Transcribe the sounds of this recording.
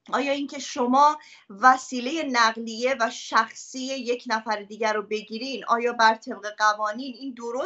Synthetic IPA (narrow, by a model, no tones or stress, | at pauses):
ɒːjɒːincʰe̞ʃo̞mɒː | væsiːle̞je̞næɣlije̞væʃæxsieje̞cʰnæfæɾed̪iːɟæɾobe̞ɟiːɾinʔɒ̰ːjɒːbæɾt̪ʰe̞b̚ɣe̞ɢævɒːniːniːnd̪oɾo